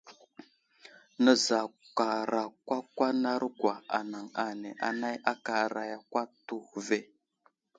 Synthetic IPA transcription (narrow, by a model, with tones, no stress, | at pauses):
nə˦za˨ka˨ɾa˨kʷa˦kʷa˦na˦ɾɡwa˨a̰˨na˨ŋa˨ne˨ʔa̰˨na˦ja˦ka˨ɾa˨ja˨kʷa˦tu˦xve˦